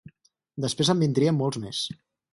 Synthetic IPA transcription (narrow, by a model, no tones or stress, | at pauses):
d̪əspɾezəmbind̪ɾiəmːɔlˠzmes